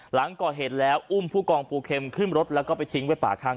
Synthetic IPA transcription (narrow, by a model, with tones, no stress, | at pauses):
la˩˦ŋkɔː˨˩ɦeː˨˩t̪̚lɛː˦˥wʔu˥˩mpʰuː˥˩kɔː˧ŋpʰuː˧kʰe˧mkʰɯ˥˩mɾo˦˥t̪̚lɛː˦˥wkɔː˥˩pa˧jt̪ʰi˦˥ŋwaː˦˥˩pa̰ː˨˩kʰaː˥˩ŋ